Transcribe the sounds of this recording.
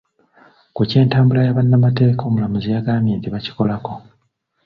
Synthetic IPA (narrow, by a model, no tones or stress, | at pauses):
kuce̞ːntaːmbulajaβanːamate̞ːko̞ːmulamuzijaɡaːmjeːntiβaci̥ko̞lako̞